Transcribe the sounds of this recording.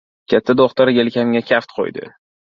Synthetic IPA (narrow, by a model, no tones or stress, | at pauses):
kʲʰat̪ʰːad̪oχt̪aɾjelkʲʰamɡʲakʲʰaft̪qʰo̰jd̪ɪ̰